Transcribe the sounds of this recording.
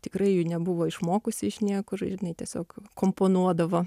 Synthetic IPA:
t̪ʲɪkrɐɪjunʲɛbʊʋoːɪʃmoːkʊsʲɪɪʃnʲiɛkoːʒɐʒʲɪnɐɪt̪ʲiɛsʲoːkkoːmpoːnuɔd̪ɐʋoː

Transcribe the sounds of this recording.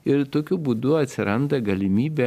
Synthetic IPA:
ɪɾt̪oːkʲʊbuːd̪ʊɐt̪ʲsʲɪɾɐnd̪ɐɡɐlʲɪmʲiːbʲɛ

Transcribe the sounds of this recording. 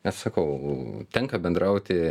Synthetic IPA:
nʲɛssɐkɐʊt̪ʲɛŋkɐbʲɛnd̪ɾʔɐʊt̪ʲɪ

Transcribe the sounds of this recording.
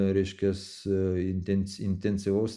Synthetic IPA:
ɾʲɛɪʃʲkʲɛs | ɪnʲt̪ʲɛnʲsɪnʲt̪ʲɛnʲsʲɪʋɐʊs

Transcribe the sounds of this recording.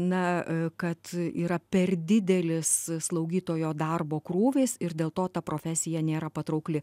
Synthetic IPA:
nɐkɐt̪ḭːɾɐpʲɛrd̪ʲɪd̪ʲɛlʲɪsslˠɐʊɡʲiːt̪oːjoːd̪ɐrboːkɾuːʋʲeːsɪrd̪ʲeːlˠt̪oːt̪ɐpɾoːfʲæsʲɪjɛnʲeːɾɐpɐt̪ɾɐʊklʲɪ

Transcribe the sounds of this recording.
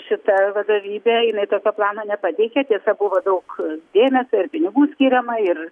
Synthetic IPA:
ʃʲɪt̪ɐʋɐd̪oːʋʲiːbʲeːjɪnɐɪt̪oːkʲoːplˠɑːnoːnʲɛpɑt̪ʲɛɪkʲɛt̪ʲiɛsɐbʊʋod̪ɐʊkd̪ʲeːmʲɛsʲoːɪrpʲɪnʲɪɡuːsʲkʲiːɾʲɛmɐɪr

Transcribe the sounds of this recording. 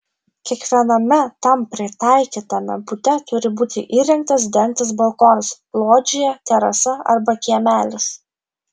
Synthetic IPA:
kʲiɛkʋʲiɛnɐmʲɛt̪ɐmpʲɾʲɪt̪ɑˑɪkʲiːt̪ɐmʲɛ̰bʊt̪ʲɛt̪ʊɾʲɪbuːt̪ʲɪʔiːɾʲɛŋk̚t̪ɐs̬d̪ʲɛŋk̚t̪ʲɪs̬bɐlˠkoːnsplˠoːd͡ʒʲɪjɛt̪ʲɛɾɐsɐɐ̰ɾbɐkʲiɛmʲæːlʲɪs

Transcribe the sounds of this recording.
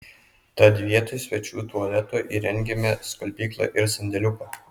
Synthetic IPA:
t̪ɐd̪ʲʋʲiɛt̪oɪsʲʋʲɛt͡ʃʲuːt̪uɐlʲɛt̪uːʔḭːɾʲɛŋʲɡʲɛmʲɛskɐlʲpʲiːklˠɐ̰ʔɪɾsɐnʲd̪ʲɛlʲʊkɐː

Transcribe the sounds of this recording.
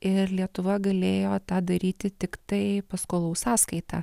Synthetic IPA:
ɪɾlʲiɛt̪ʊʋɐɡɐlʲeːjoːt̪ɑːd̪ɐɾʲiːt̪ʲɪt̪ʲɪkt̪ɐɪpɐskoːlˠɐʊsɑːskɐɪt̪ɑː

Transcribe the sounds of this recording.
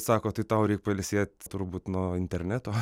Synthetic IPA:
sɑːkoːt̪ɐɪt̪ɐʊɾʲɛɪk̚pɐlʲɪsʲeɛt̪ʲt̪ʊɾbuːt̪noːɪnʲt̪ʲɛɾʲnʲæt̪oː

